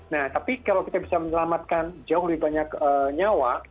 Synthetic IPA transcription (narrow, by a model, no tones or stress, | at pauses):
naht̪apikalawkit̪abisaməɲəlamat̪̚kand͡ʒaʊhluibaɲakəːɲawa